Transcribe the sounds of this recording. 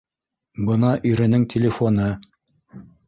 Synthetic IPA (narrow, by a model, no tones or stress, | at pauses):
bɤnɑʔiɾɘ̆nɘŋt̪ʲɪlʲɪfonɤ